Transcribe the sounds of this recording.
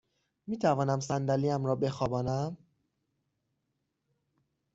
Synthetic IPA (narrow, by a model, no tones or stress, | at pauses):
miːt̪ʰævɒːnæmsænd̪æliːæmɾɒːbe̞xɒːbɒːnæm